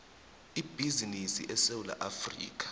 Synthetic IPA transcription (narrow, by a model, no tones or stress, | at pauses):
ib̥ʱizinisḭʔɛsewula̰ʔafrḭːk̬ʼḁ